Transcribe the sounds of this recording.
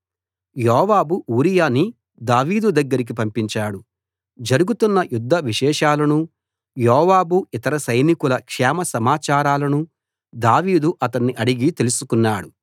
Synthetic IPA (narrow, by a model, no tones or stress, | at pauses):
jɔːʋaːbuʔuːɾijaːni | d̪aːʋiːd̪ud̪ɐɡːɐɾik̬ipɐmpiɲt͡ʃaːɽu | d͡ʒɐɾuɡut̪unːɐjud̪ʱːɐʋiʃɛːʃaːlɐnu | jɔːʋaːbuit̪ɐɾɐsɐjnikulɐkʂɛːmɐsɐmaːt͡ʃaːɾaːlɐnu | d̪aːʋiːd̪uʔɐt̪ɐnːiʔɐɽiɡit̪e̞lusukunːaːɽu